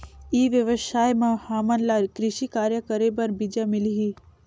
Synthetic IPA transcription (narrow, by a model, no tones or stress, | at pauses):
iːʋjəʋəʃaːjmãhaːmənlaɾkɾɪʃikaːɾjəkəɾebɐɾbid͡ʒamɪliɦi